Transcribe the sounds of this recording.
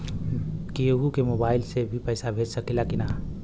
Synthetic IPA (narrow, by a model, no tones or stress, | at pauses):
keɦukemobaːɪlsebʱipəjsabʱed͡ʒsəkelakina